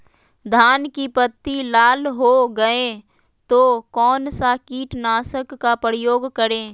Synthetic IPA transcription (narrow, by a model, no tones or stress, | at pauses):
d̪ʱaːnkipət̪ːilaːlɦoɡəẽ | t̪okɔːnsakiːʈnaːsəkːapɾɪjoːɡkəɾẽː